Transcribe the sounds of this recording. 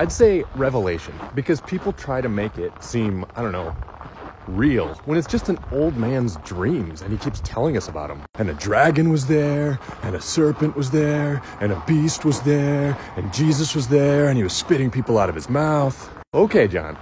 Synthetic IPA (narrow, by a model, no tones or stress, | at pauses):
aɪd̥seɪɹɛvəleɪʃɨ̃nbɨkʰʌz̥pʰipl̩ˠtʰɹ̥aɪɾɨmeɪkɪt̚sĩmaɪdõʊ̃nːoʊ | ɹilˠwə̃ñɨtsd̥ʒ̥ʌstɨ̃n̩oʊlˠd̚mæ̃nzdɹĩmzɨ̃nikʰipstʰɛlˠɪ̃ŋʌsəba̰ʊɾə̃mɨ̃nɨdɹæɡɨ̃nwʌzðə˞ | ɨ̃nɨsɜ˞pɨ̃nʔwʌzðə˞ | ɨ̃nəbist̚wʌzðə˞ɨ̃nd͡ʒizɨswʌzðə˞ɨ̃niwʌz̥spɪɾɪ̃ŋpʰipl̩ˠaʊɾʌv̥ɨzmaʊθ | oʊkʰeɪd͡ʒɑ̰̃n